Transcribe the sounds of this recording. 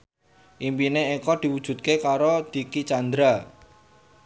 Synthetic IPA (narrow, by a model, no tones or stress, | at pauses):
ʔimpineekɔd̪̥i̤wud̥ʒ̥ṳt̪̚kekaɾod̪̥i̤kit͡ʃand̪ɾa